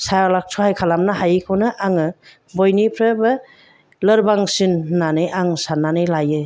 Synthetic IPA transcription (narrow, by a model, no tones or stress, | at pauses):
salak̚sʰɔhajkʰalamnaɦajkʰownɯʔaŋɯ | bɔjnipʰɾɯbɯ | lɯɾbaŋsinːanɯjʔaŋsanːanɯjlajɯ